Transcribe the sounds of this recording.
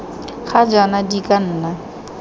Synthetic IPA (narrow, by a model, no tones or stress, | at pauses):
χad͡ʒɔnadikʼan̩ːna